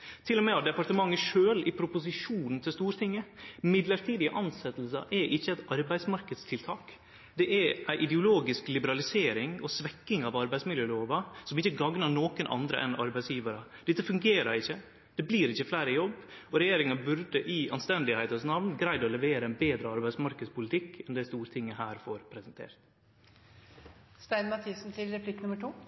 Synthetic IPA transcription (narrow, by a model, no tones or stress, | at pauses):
t̪ʰɪlːɔmɛɑd̪ɛpɑɾʈt̪əmɑŋːəʂøːlɪpʰɾʊpʊsɪʂuːnn̩t̪ʰɪlst̪uːɾt̪ʰɪŋːəmɪd̪ləɾt̪ʰiːd̪ɪəʔɑnsɛt̪l̩sɑ̰ʔɛʔɪçːəæɪt̪ɑɾbæɪsmɑɾkəd̪st̪ʰɪlt̪ʰɑːk | d̪ɛʔæʔæɪʔɪd̪ɛʊloːɡɪsklɪbəɾɑlɪseːɾɪŋɔsʋɛkːɪŋɑʋɑɾbæɪsmɪljøːloːʋɑsɔmɪçːəɡɑŋnɑɳoːkənʔɑ̰nd̪ɾə̰ʔɛ̰nɑɾbæɪsjiːʋəɾəd̪ɪt̪ːəfʉŋɡeːɾɑɾɪçːə | d̪̥ɛbliːɾɪçːəflæɪɾəjɔbːɔɾɛjeːɾɪŋɑbʉɾd̪əʔɪɑnst̪ɛnd̪ɪhæɪt̪ənsnɑʋnɡɾæɪd̪ɔlɛʋeːɾəæɪnbeːd̪ɾəɑɾbæɪsmɑɾkəd̪spʊlɪt̪ʰɪkːɛnd̪ɛæst̪uːɾt̪ʰɪŋːəhæːɾfɔɾpʰɾɛsɛnt̪ʰḛːɾt̪ | st̪æɪnmɑt̪ʰiːsn̩t̪ʰɪlɾɛpʰlɪkːnməʈʰuː